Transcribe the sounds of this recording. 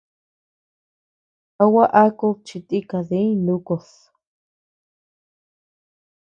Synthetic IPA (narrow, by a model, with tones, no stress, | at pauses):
a˧wa˦ʔa˦ko˦˧t͡ʃi˧t̪i˦ka˨ðe˦ĩ˦lu˦ko˨s